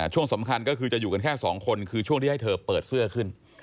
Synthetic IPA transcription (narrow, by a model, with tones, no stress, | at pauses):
t͡ɕʰu˥˩əŋsa˩˦mkʰa˧nkɔː˥˩kʰɯː˧t͡ɕa˨˩ʔjuː˨˩ka˧nkʰɛː˥˩sɔ̰ː˩˦ŋkʰo˧nkʰɯː˧t͡ɕʰu˥˩əŋʰiː˥˩a˥˩t̪ʰɤː˧pɤː˨˩t̪̚sɯ˥˩ɐkʰɯ˥˩n